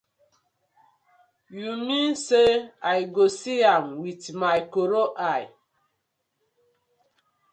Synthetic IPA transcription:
jumĩnseajɡosiamwitmajkoɾoʔaj

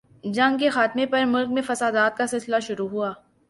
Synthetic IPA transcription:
d͡ʒɐ̃ŋɡkexaːt̪mẽpɐɾmʊlk̚mẽfɐsaːd̪aːt̪̚kasɪlsɪlaʃʊɾuɦuaː

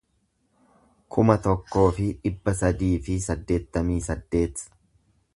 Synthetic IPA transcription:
kʰʊmɐt̪ɔkːo̞ːfɪᶑɪbːɐsɐd̪iːfɪsɐd̪ːe̞ːt̪ːɐmiːsɐd̪ːe̞ːt̪

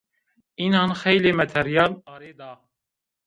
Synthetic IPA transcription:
iːnɑːnxɛjleːmɛt̪ʰɛɾijɑːlɑːɾeːd̪ɑː

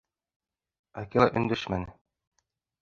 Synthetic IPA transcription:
ækilˠɑʔɵ̆nd̪ɘʃmænɘ

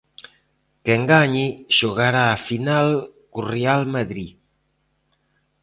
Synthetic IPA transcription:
keŋɡaɲiʒ̥uɣaɾaːfinalkurealmaðɾi

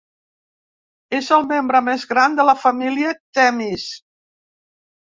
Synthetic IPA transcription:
ezəlˠmembɾəmezɣɾand̪ələfəmiliət̪ɛmis

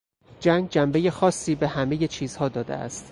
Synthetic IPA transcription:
d͡ʒæːŋɡ̚d͡ʒæmbe̞je̞xɒːsːiːbe̞hæme̞je̞t͡ʃʰiːz̥hɒːd̪ɒːd̪ḛʔæ̰st̪

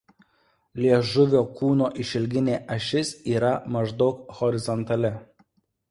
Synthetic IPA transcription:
lʲiɛʒʊʋʲoːkuːnoːʔɪʃʲɪlʲɡʲɪnʲeːʔɐʃʲɪsiːɾɐmɐʒd̪ɒʊkhɔɾʲɪzɔnt̪ɐlʲɪ

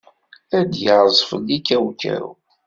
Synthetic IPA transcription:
æd̪jəʁˤzˤfə̰lːikːæwkæ̰ɾṵ

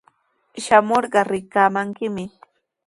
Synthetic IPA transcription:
ʃamoɾɢɑɾɪkaːmaŋkɪmɪ

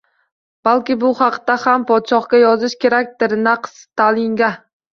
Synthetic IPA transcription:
b̥alˠkʲɪbʊhɑqd̪ahampʰɒt̪ʃɒχkʲajɒzɪʃkʲe̞ɾak̚ʲd̪ɪɾnaqʰst̪ʰalɪŋɡʲa

